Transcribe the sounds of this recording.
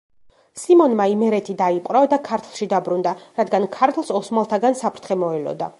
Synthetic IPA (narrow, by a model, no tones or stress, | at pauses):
simɔnmaimɛɾɛt̪ʰid̪aipʼɾɔd̪akʰaɾt̪ʰlˠʃid̪abɾund̪aɾad̪ɡankʰaɾt̪ʰlˠsɔsmalˠt̪ʰaɡansapʰɾt̪ʰχɛmɔɛlɔ̰d̪a